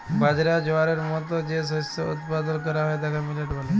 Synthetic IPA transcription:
bad͡ʑɾad͡ʑoaɾeɾmɔt̪od͡ʑesostoṵt̪pad̪onkɔɾaɦɔed̪ɛkʰamileʈbole

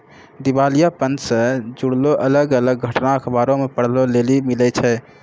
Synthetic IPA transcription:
d̪ibaːlijapənsəd͡ʒuɽloʔələɡələɡɡʱəʈnaəkʰəbaːɾõmepəɽ̤lolelimilɛt͡ʃʰɛː

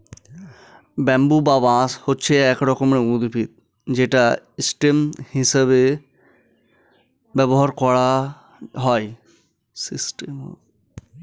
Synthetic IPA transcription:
bɛ̃mbubabãːshotːt͡ʃʰeɛkɾɔkɔmneũd̪ipit̪̚ | d͡ʑeʈaisʈemhisəbe | bɛbɔɦaɾkɔɽa | ɦɔj | sisʈem̰

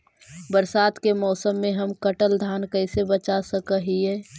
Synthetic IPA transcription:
bəɾsaːd̪kemɔːsəmːẽɦəmkəʈəld̪ʱaːnkəɪsebət͡ʃasəkəɦieː

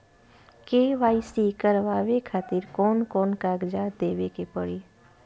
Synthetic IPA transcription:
keːʋaːisiːkəɾʋaːʋekʰaːt̪ɪɾkɔːnkɔːnkaːɡd͡ʒad̪eːʋekepəɽi

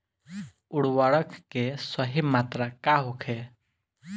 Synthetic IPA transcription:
ʊɽwaːɽəkkesəɦimaːt̪ɾakaɦokʰeː

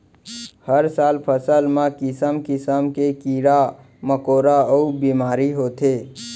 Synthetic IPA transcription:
həɾsaːlpʰəsəlmãkɪsəmkɪsəmkekiɾa | məkoːɾaəubiːmaːɾiɦoːt̪e

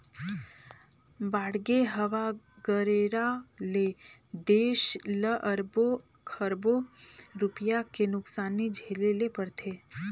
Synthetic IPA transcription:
baɽɡeɦəʋa | ɡəɾeɾaled̪eʃləʔəɾbo | kʰəɾboɾʊpjakenʊksanːid͡ʒʱelelepəɽt̪ʰe

